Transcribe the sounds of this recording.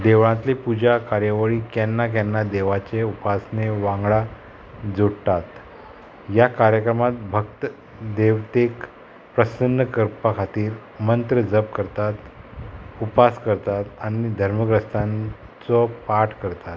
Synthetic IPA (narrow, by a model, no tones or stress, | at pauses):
d̪eʋɭãt̪lepud͡ʑakaɾjəʋəɭikanːak̬anːad̪eʋat͡ɕeupasneʋãŋɡɭa | d͡zoɽʈ̪at̪ | jakaɾjəkɾəmat̪̚bʱək̚t̪ə | d̪eʋt̪ek | pɾəsənːəkəɾpakʰat̪iːɾ | mənt̪ɾəd͡zəp̚kəɾt̪at̪ | upaskəɾt̪at̪aɽ̃id̪ʱəɾməɡɾəst̪ãn | t͡sɔpaʈʰkəɾt̪at̪